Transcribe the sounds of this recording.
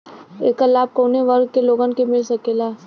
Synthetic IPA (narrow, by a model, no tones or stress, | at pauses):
ḛːkːalaːb̚koːneʋɐɾɡ̚keloːɡənkemɪlsɐkeːlaː